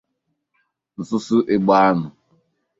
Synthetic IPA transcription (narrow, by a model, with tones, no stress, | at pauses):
n̩˨sʊ˦sʊ˦ʔe˦ɡ͡ba˦a˦nʊ˨